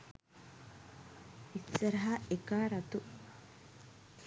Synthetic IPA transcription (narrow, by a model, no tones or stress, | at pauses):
itːɐɾɐɦaːekaːɾɐt̪u